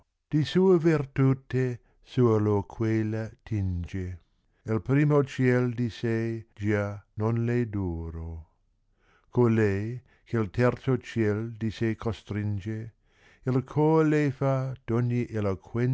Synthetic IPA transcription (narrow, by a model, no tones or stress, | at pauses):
d̪̥isuːevirt̪ut̪e | suːlokʰwelat̪ʰind͡ʒe | ilpɾiːmot͡ʃjɛld̪ised͡ʒanonled̪uːɾo | kolɛj | kʰelt̪ʰɛrt̪sot͡ʃjɛld̪isekʰost̪ɾind͡ʒe | ilkʰolefad̪̥ɔɲːiʔelokʰwɛn